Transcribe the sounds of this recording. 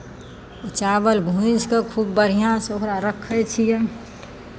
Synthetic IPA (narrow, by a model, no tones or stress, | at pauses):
ʊt͡ʃaːʋəlbʱũt͡ʃkakʰuːbːəɽ̤ijãsoɦɾaɾəkʰət͡ʃʰije